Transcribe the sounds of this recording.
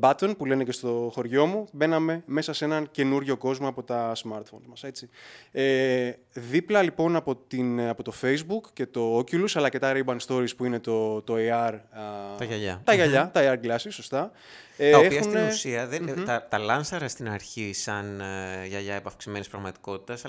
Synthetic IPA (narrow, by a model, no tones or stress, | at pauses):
bɐt̪onpule̞nece̞st̪o̞xo̞ɾʝo̞mube̞nɐme̞me̞sɐse̞nɐnce̞nuɾʝo̞ko̞zmoɐpo̞t̪ɐsmɐɾt̪fo̞nzmɐse̞t͡sie | ðiplɐlipo̞nɐpo̞t̪inɐpo̞t̪o̞fe̞jzbukcːe̞t̪o̞oculusɐlɐce̞t̪ɐɾebɐnst̪o̞ɾispuine̞t̪o̞t̪o̞iɐɾt̪ɐʝɐʎɐ̰t̪ɐʝɐʎɐt̪ɐiɐɾɡlɐsisːo̞st̪ɐ | ɐoepiɐxusnt̪esiɐðenɐt̪ɐlɐnsɐɾɐst̪inɐɾçisɐnʝɐʎɐepɐfksime̞nispɾɐɣmɐt̪i̥ko̞t̪i̥t̪ɐs